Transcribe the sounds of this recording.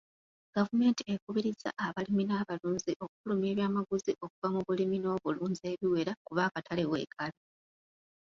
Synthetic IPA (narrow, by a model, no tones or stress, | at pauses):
ɡ̥avume̞ːntiekuβiɾiza̰ʔaβaliminaːβaluːnziʔo̞kufulume̞ːβjaːmaɡuziʔo̞kuvamuβulimino̞βuluːnze̞ːβiwe̞ɾakuβaːkatʰalewe̞̰ːkʰalo